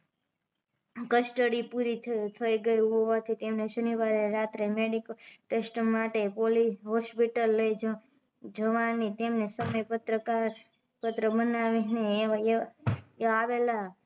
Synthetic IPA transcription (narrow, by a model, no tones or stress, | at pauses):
kəsʈəɽipuɾit̪ʰəiɡəjuɦoʋat̪ʰit̪emneʃəniʋaɾeɾat̪ɾemeɽikʈesʈmaʈepoliɦɔspiʈəlːəjd͡ʒ | d͡ʒəʋanit̪emnesəməjpət̪ɾəkaɾ | pət̪ɾəbənaʋine | ʋela